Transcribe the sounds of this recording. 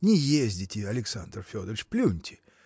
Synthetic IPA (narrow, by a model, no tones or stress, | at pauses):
nʲɪjezʲdʲɪtʲɪɐlʲɪksand̪rfʲod̪əɾʲɪt͡ʃt͡ɕplʲunʲtʲɪ̥